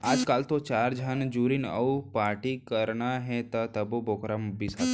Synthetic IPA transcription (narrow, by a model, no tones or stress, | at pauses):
aːd͡ʒkaːlt̪ot͡ʃaːɾd͡ʒʱənd͡ʒuːɾinə̰upaːɾʈikɐɾnaɦɛt̪ɐt̪ɐboboːkɾambisat̪